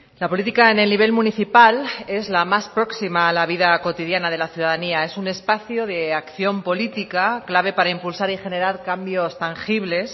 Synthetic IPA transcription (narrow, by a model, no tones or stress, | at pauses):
lapo̞lit̪ikaene̞lniβ̞e̞lmũniθipale̞zlamaspɾo̞ksimaːlaβ̞iðako̞t̪iðjanað̞e̞laθjuð̞aðaniae̞sune̞spaθjoðe̞akθjo̞mpo̞lit̪ikaklaβ̞e̞paɾaimpulsaɾixe̞neɾaɾkambjo̞st̪aŋxiβ̞le̞s